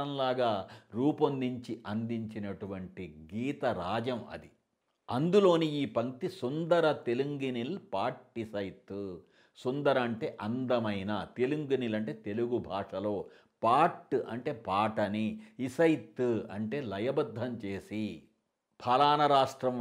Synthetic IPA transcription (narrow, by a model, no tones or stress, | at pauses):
ɐnlaːɡaːɾuːpɐnd̪iɲt͡ʃiʔɐnd̪iɲt͡ʃinɐʈuʋɐɳʈiɡiːt̪ɐɾaːd͡ʒɐmɐ̰d̪i | ɐnd̪ulo̞ːniiːpɐŋt̪isund̪ɐɾɐt̪e̞luŋɡinilpaːʈːisɐjt̪ːu | sund̪ɐɾɐːɳʈe̞ːʔɐnd̪ɐmɐjnaːt̪e̞luŋɡinilɐɳʈe̞ːt̪e̞luɡubʱaːʂɐlo̞ː | paːʈuʔɐɳʈe̞ːpaːʈɐniisɐjt̪ːuɐ̰ɳʈe̞ːlɐjɐbɐd̪ʱːɐmt͡ʃe̞ːsi | pʰɐlaːnɐɾaːʂʈɾɐm